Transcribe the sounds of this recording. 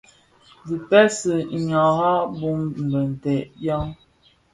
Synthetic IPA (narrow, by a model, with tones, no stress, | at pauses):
zi˨pɛ˦sə˨ɲa˨ɣa˦bu˦mm̩˨bə˨n˨tɛ˨ʔja˦ŋ